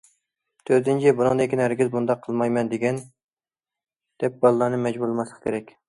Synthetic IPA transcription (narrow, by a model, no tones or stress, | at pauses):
t̪ʰøɾt̪ɪnt͡ʃʰibunɨŋd̪ɪkʲɪnæɾɡʲizbund̪ɑqʰːəlˠmɑjmɛnd̪eɡʲɛn | d̪̥ɛp̚bɑlˠlˠɑɾnɨmɛd͡ʒbuɾlˠɨmɛslˠəqʰkʲʰeɾɛkʲ